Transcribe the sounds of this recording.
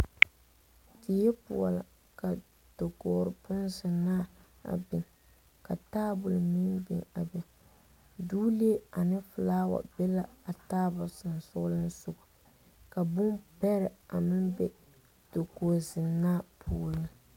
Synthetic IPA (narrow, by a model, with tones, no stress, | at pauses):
dɪ˨jɛ˦pṵ˨ɔ˨la˨ | ka˨ | d̥o˨kɔː˨ɾɨ˨pʊ˦nzɪ˨nːaː˦ | a̰˨bɪ˨ŋ | ka˨taː˦bʊ˨lmi˦nbḭ˨ŋa̰˨bɪ˨ | duː˦li˦e˦a˨nɨ˦fʊ˨laː˦wa̰˨bɛ˦la˦a˨taː˦bʊ˨sɨ˨n˨sʊ˦lɨ˦n˦sʊ˦˨ɡʊ˨ | ka˨bʊ˦mpɛ˦ɾɪ˨a˨mɪ˦mbɛ˦ | d̥o˨koː˨zɪ˨nːaː˦pʰuː˦˨lɨ˦